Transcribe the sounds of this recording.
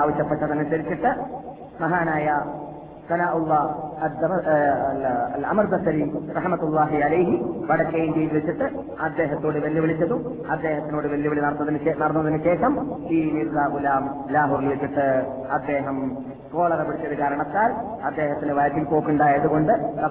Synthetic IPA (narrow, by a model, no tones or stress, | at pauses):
aːʋɐɕjɐpːɐʈːɐt̪ɐnːesɐɾit͡ɕːiʈːɨ | mɐɦaːnaːjɐ | sɐnaːʔulˠːɐːɐd̪ɐ | ɐlɐ̰mɐrd̪ɐsɐɾirɐħmɐt̪ulˠːaːɦiɐlɐjɦiʋɐɽɐkːɐjindejlʋet͡ɕːiʈːɨ | ɐd̪ːe̞ːɦɐt̪ːoːɽɨʋɐlːjɐʋiɭit͡ɕːɐðu | ɐd̪ːe̞ːɦɐt̪ːinoːɽɨʋɐlːjɐʋiɭinɐɽɐt̪ːɐðinɨenɐɽɐt̪ːɐðinɨɕeːkɐmiːniɾðaːʔulaːm | laːɦuːɾilʋet͡ɕːiʈːɨ | ɐd̪ːe̞ːɦɐm | ko̞ːɭɐrɐʋiɽit͡ɕːɐðukaːɾɐɳɐt̪ːaːl | ɐd̪ːe̞ːɦɐt̪ːinɨʋɐjɐk̪ːilpo̞ːkːuɳɖaːjɐðuɣo̞ɳɖɨɐ